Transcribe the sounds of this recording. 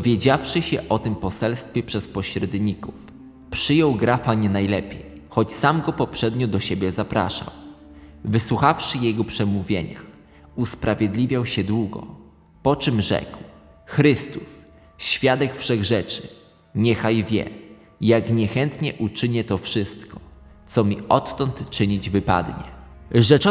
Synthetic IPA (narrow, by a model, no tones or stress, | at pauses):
ɔvʲjed͡ʑafʂɘɕɛʔɔt̪ɘmpɔsɛlst̪fʲjɛpʂɛspɔɕɾɛd̪ɲikuf | pʂɘjɔwɡɾafaɲɛnajlɛpʲjej | xɔt͡ɕsamɡɔpɔpʂɛd̪ɲɔd̪ɔɕebʲjɛzapɾa̰ʂa̰w | vɘswuxafʂɘjɛɡɔpʂɛmuvʲjḛɲa̰ | uspɾavʲjed̪lʲivʲjawɕɛd̪wuɡɔ̰ | pɔt͡ʂɘmʐɛ̰kw | xɾɘst̪us | ɕfʲjad̪ɛkfʂɛɣʐɛt͡ʂɘ | ɲɛxajvʲjɛ̰ | jakɲɛxɛnt̪ɲɛʔut͡ʂɘɲɛt̪ɔfʂɘst̪kɔ̥t̪sɔmʲiʔɔt̪ːɔnt̪t͡ʂɘɲid͡ʑvɘpa̰d̪ɲɛʐɛt͡ʂɔ